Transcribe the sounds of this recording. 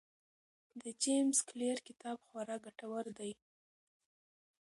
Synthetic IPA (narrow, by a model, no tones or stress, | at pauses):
d̪əd͡ʒemskleɾkɪt̪ɑbxwaɾɑɡaʈawaɾd̪aj